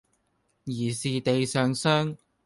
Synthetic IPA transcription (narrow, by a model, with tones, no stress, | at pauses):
jiː˨˩siː˨t̪e˨jsœː˨ŋsœː˥ŋ